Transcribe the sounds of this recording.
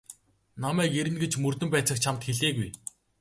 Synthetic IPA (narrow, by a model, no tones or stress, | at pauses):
namæːkeɾɘ̆nɡet͡ɕmɵrt̪ɵ̆mpæːt͡sə̆kt͡ɕʰamt̪xeɮeːɣuj